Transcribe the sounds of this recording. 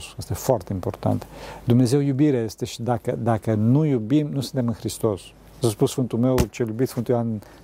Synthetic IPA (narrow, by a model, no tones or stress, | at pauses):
sjest̪efoart̪eimpo̞rt̪a̰nt̪d̪umne̞ze̞wjubiɾeest̪eʃi̥d̪akəd̪akənujubimnusɨnt̪emɨnxɾist̪o̞s | saspusfɨnt̪ume̞wt͡ʃeljubit̪fɨnt̪ujan